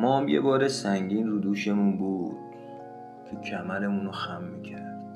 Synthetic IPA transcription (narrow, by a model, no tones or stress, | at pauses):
mɒːmjḛbɒːɾesæŋɟiːnruːd̪uːʃe̞munbuːd̪̥̚ | t̪ʰucʰæmæɾemunoxæmːiːcʰæɾd̪̥